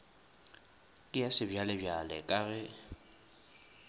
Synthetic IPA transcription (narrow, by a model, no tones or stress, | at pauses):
kʼɪjasɪbjalɪbjalɛ̰kʼaɣɛ